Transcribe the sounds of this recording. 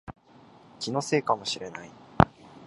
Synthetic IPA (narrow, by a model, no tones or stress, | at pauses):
kʲino̞se̞ːkamo̞ɕiɾe̞nai